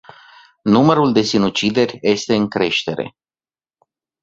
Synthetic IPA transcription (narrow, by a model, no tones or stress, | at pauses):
numəɾuld̪e̞sinut͡ʃid̪e̞rʲje̞st̪e̞ɨŋkɾe̞ʃt̪e̞ɾe̞̰